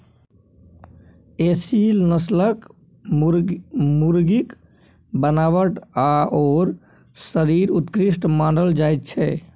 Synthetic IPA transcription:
esilnəslək | muɾɡik | bənaβəʈaɔːɾ | səɾiɾut̪kɾisʈmanɖəld͡ʒajt̪̚t͡ʃʰɛ

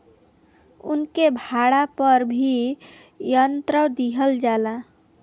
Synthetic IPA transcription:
ṵnkebʱaɽapəɾbʱi | jənt̪ɾəwd̪iɦəld͡ʒala

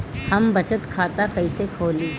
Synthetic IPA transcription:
hɐmbɐt͡ʃət̪kʰaːt̪akɐisekʰoːliː

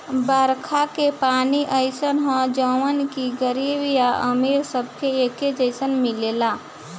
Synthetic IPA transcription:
bəɾkʰakepaːniʔəɪsənɦɔ̃d͡ʒəʋənkiɡəɾiːbijaʔəmeːɾsəb̚keeːked͡ʒəɪsənmɪleːlaː

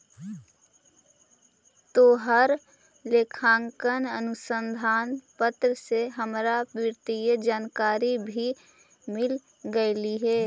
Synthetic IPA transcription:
t̪oːɦəɾ | lekʰãːŋkənənʊsə̃nd̪ʱaːnpət̪ɾəseɦəmɾapɪɾt̪ijəd͡ʒaːnkaːɾibʱi | mɪl | ɡəɪliɦɛː

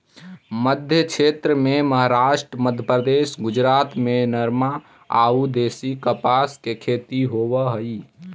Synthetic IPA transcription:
məd̪ʱjəkʰet̪ɾəmeməɦaɾaʃʈɾəməd̪ʱjəpɾəd̪esɡud͡ʒɾat̪menəɾma | a̰ud̪esikəpaskekʰet̪iɦoβəɦəj

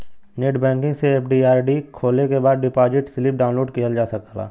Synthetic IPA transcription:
neːʈbɛ̃ːŋkɪ̃ŋɡseeːpʰɖiaːɾɖikʰoːlekebaːd̪ɖɪpaːd͡ʒɪʈsliːpɖaːʊ̃nloːɖkiɦəld͡ʒaːsɐkəla̰ː

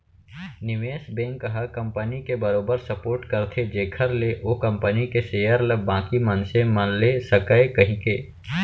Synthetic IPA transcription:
nɪʋeːsbẽːŋkːɐɦakɐ̃mpənikebɐɾoːbəɾsɐpoːɾʈkɐɾt̪ʰed͡ʒeːkʰəɾleʔoːkɐ̃mpənikeseːjəɾlɐbãːkimɐnsẽmɐnlesɐkəekɐɦĩkeː

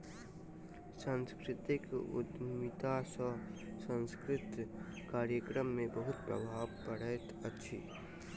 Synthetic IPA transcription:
sə̃nskɾɪt̪ɪkʊ̰d̪mɪt̪asəsə̃nskɾɪt̪kaːɾjəkɾəmːẽbəɦʊt̪pɾə̰bʱaːʋpəɽət̪ətːʃʰḭː

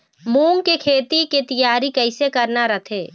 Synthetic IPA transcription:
mũːŋkekʰeːt̪iket̪ɐjaːɾikɛɪsekɐɾnaɾɐt̪ʰeː

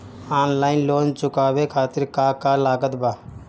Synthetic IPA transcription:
aːnlaːɪnloːnt͡ʃʊkaːbekʰaːt̪ɪɾkakalaːɡət̪baː

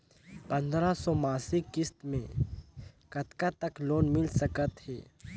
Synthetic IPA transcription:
pɐ̃nd̪ɾasɔmaːsɪkːɪst̪mẽ | kɐt̪kat̪əkloːnmɪlsəkət̪ɦɛ̰ː

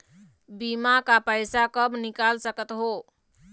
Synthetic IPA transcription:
bimakapəjsakəbnikalsəkət̪ɦo

